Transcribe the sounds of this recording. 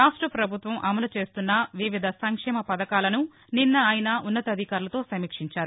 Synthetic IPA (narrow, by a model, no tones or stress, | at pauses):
ɾaːʂʈɾɐpɾɐbʱut̪ʋɐmʔɐmɐlut͡ʃe̞ːst̪unːɐʋiʋid̪ʱɐsɐŋkʂɛːmɐpɐd̪ɐkaːlɐnu | ninːɐaːjinɐunːɐt̪ɐd̪ʱikaːɾulɐt̪o̞ːsɐmiːkʂiɲt͡ʃaːɾu